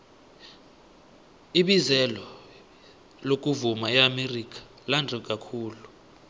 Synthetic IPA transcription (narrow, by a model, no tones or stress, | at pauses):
iɓizɛlɔ | lok̬ʼuvumaɛamerik̬ʼḁ | landʱɛkʼakʰuːlu